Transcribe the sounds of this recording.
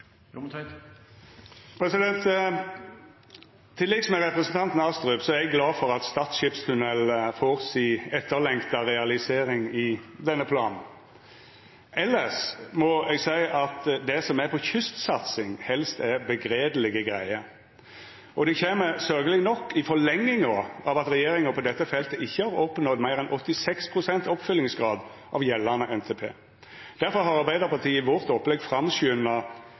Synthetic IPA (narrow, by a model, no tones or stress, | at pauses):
pʰɾɛsɪd̪ɛnt̪ | t̪ʰːɪlːɪɡsmɛʁɛpʁəsnt̪ɑnt̪n̩ɑst̪ɾʉbsɔæɾɛɡlɑːfɔʁɑt̪st̪ɑːt̪ʃɪpst̪ʰʉnɛlfoʁsiːɛt̪ːəɾlɛŋkt̪ɑʁɛɑlɪseːɾɪŋɪd̪ɛnːəpʰlɑːnn̩ | ɛlːəʂmɔɛɡsæɪʔɑt̪d̪ɛsɔmæɾpʰɔçʏst̪sɑt̪sɪŋhɛlst̪æbəɡɾeːd̪əlɪɡəɡʁæɪəɾ | ʔɔd̪ɛçeːməsœlɡəlɪnɔkːɪfɔlɛŋːɪŋəɑʋɑt̪ɾɛjeːɾɪŋəpʰɔd̪ɛt̪ːəfɛlt̪əɪçːəhɑɾɔpːnɔd̪mæɪɾɛnʔɔt̪ːɪsɛkspʰʁʊsɛnt̪ɔpfʏlːɪŋsɡʁɑːd̪ | ʔɑ̰ʋjɛlːənəʔɛnt̪ʰeːpʰḛː | d̪̥æɾfɔɾɦɑɾɑʁbæɪd̪əʁpɑt̪ʰiːəɪʋɔʁt̪ɔpːlɛɡfɾɑmsʉːnɑ